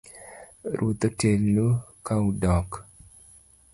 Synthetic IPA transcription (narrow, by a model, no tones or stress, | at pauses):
ɾot̪otelnukaudɔk